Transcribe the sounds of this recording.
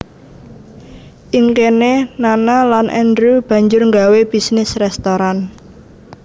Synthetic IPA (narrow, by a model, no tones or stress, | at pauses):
ʔiŋkenenanalanʔɛ̰ndɾub̥ä̤ɲd͡ʒʊrŋɡaweb̥i̤snɪsrɛst̪oɾan